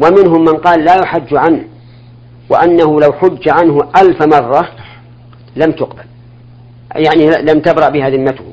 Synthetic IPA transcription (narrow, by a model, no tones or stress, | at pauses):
wamɪnɦʊmːɪnqɑːlːaːjʊħad͡ʒːʕanh | wɪ̰ʔanːahʊlawħʊd͡ʒːaʕanɦʊʔalfamɑrˤːɑ | lamt̪ʊqbal | jaʕnilamt̪abɾˤɑʔbɪɦaðɪmːat̪w